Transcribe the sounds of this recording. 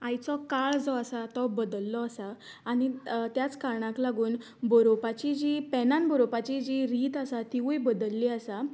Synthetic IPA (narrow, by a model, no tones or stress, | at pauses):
ajt͡sɔkaɭd͡zɔasat̪ɔbəd̪əlːɔasaː | nit̪jat͡skaɾɳãklaɡuːn | bɔɾopat͡ɕid͡ʑipɛnãnbɔɾopat͡ɕid͡ʑiɾiːt̪asat̪iʋujbəd̪əlːiasa